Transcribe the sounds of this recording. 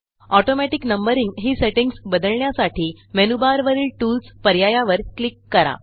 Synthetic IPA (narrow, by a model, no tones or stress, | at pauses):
ɔʈomɛʈiknəmbəɾiŋɡɦiːseʈiŋɡsbəd̪əɭɳjasaʈʰiː | menubaɾʋəɾiːlʈulspəɾjajaʋəɾklikːəɾa̰